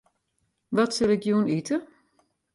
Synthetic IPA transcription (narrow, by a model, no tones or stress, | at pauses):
ʋɔtsɪlˠɪkjuənitə